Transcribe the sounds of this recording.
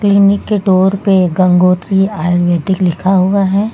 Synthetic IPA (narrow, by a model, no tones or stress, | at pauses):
klinɪkːeɖoːɾpeɡɐ̃ŋɡoːt̪ɾiaːjoʋjɛːd̪ɪklɪkʰaɦʊaɦɛː